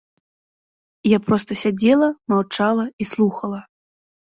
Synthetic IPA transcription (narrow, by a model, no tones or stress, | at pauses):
japɾɔst̪ɐsʲad͡zʲɛlˠɐmawt͡ʂalˠɐislˠuxɐlˠɐ